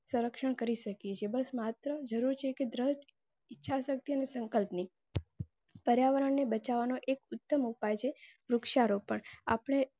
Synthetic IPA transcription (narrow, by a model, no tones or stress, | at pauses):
sə̃ɾəkʃəɳkəɾiʃəkjet͡ʃʰebəsmat̪ɾəd͡ʒəɾuɾt͡ʃʰeked̪ɾəsʈ | ɪtːʃʰasək̚t̪iənesə̃ŋkəlpni | pəɾjaʋəɾəɳːebət͡ʃaʋanoʔekʊt̪ːəmupajt͡ʃʰeɾʊkʃaɾopəɳa̰pəɳ̃e